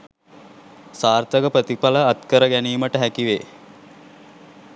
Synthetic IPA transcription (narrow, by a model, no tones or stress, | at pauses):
saːrt̪əɡəpɾət̪ipaləːt̪kəɾəɡæniːməʈəɦækiʋe